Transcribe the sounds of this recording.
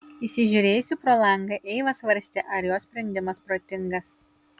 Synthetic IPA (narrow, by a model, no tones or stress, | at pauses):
isʲɪʒʲʊɾʲeːjʊsʲupɾoːlˠɐŋɡɐʔɛɪʋɐsʋɐɾʲsʲt̪ʲeʔɐɾjoːsʲpʲɾʲɛnʲd̪ʲɪmɐspɾoːt̪ʲɪŋɡɐs